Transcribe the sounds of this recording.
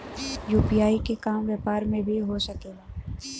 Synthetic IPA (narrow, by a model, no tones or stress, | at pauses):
juːpijaːikekaːmʋjəpaːɾmẽbʱiɦosɐkeːɡaː